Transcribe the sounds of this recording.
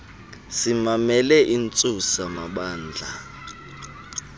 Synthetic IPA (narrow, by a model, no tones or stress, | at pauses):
simamɛlɛʔint͡sʼusamaɓaːnd͡ɮʱa